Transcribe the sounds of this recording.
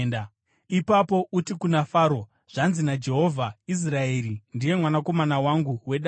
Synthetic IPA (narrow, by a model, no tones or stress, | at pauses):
na | ipapo̞ʔutikunafaːɾo̞ | ʐ̥anzinad͡ʒe̞ɦo̞vʱais̬rae̞ːɾindije̞mwanako̞manawaŋɡuwe̞ɗa